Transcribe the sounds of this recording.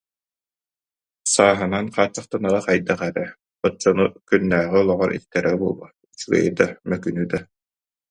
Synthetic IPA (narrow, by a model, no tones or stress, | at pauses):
saːɦɯnanqaːt͡sːaχt̪anaʁaqajd̪aχɛɾɛ | ɔt͡sːɔnukynːæːʁiɔlˠɔʁɔɾʔḭt̪ːɛɾɛbuɔlˠɔ̰ | sɯɡɯ̰jɯd̪amœkynyːd̪a